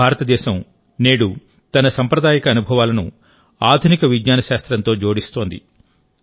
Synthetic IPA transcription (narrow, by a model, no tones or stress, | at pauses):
aːɾɐt̪ɐd̪ɛːʃɐm | neːɽu | t̪ɐnɐsɐmpɾɐd̪aːjɐkɐːnubʱɐʋaːlɐnu | aːd̪ʱunikɐʋid̪ɲaːnɐʃaːst̪ɾɐnt̪o̞ːd͡ʒo̞ːɽist̪o̞ːnd̪ḭ